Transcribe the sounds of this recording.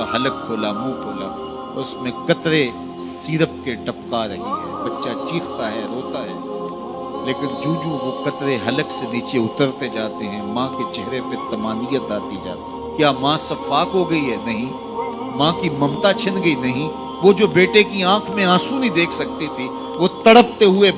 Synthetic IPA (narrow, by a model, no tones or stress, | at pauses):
aɦɐlək̚kʰoːlamũːkʰoːla̰ː | ɔ̰ːɾɪsmẽkɐt̪ɾe | siːɾəp̚keɖɐpkaɾɐ̰ɦiɦɛ̰ːbɐtːʃat͡ʃiːxʰt̪aɦɛːɾoːt̪aɦɛː | leːkɪnd͡ʒũːd͡ʒũʋokɐt̪ɾeɦɐləkseniːt͡ʃeʊt̪əɾt̪ed͡ʒaːt̪eɦɛ̃mãːked͡ʒɛɦɾepet̪ɐmaːnijət̪aːt̪id͡ʒa̰ːt̪iɦkjaːmãːsɐfaːkɦoɡɐiɦɛnɐɦĩ | mãːkimɐ̃mt̪at͡ʃʰɪnɡɐinɐɦĩ | ʋod͡ʒoːbeːʈekiãːkʰmẽãːsũnĩd̪eːkʰsɐk̚t̪it̪ʰi | ʋot̪ɐɽəp̚t̪eɦʊe